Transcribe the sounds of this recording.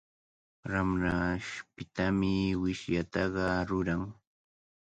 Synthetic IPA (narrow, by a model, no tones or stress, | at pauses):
ɾamɾaʃpɪt̪amɪwɪʃjat̪ɑɢɑɾʊɾaŋ